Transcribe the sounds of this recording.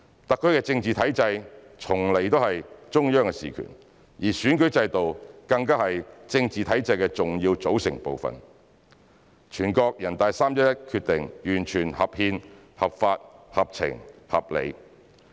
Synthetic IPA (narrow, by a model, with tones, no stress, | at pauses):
t̪ɐ˨kʰːɵ˥ɥkɛː˧t͡sɪ˧ŋt͡siː˨t̪ʰɐ˨˥jt͡sɐ˧j | t͡sʰʊ˨˩ŋle˨˩jt̪o˥whɐ˨jt͡ʃʊ˥ŋjœː˥ŋkɛ˧sḭː˨˩kʰy̰˨˩n | jiː˨˩syː˨˥nkɵ˨˥ɥt͡sɐ˧jt̪o˨wkɐ˧ŋkaː˥hɐ˨jt͡sɪ˧ŋt͡siː˨t̪ʰɐ˨˥jt͡sɐ˧jkɛ˧t͡sʊ˨ŋjiː˧wt͡so˨˥wsɪ̰˨˩ŋpo˨wfɐ̰˨˩n | t͡ʃʰyː˨˩nkɔː˧k̚jɐ˨˩nt̪aː˨˧jsaː˥mjɐ˥jɐ˥t̚kʰyː˧t̚t̪ɪ˨ŋjyː˨˩nt͡ʃʰyː˨˩nhɐ˨p̚hiː˧n | hɐ˨˩p̚faː˧t̚hɐ˨p̚t͡sʰɪ̰˨˩ŋhɐ̰˨p̚lḛ˨˧j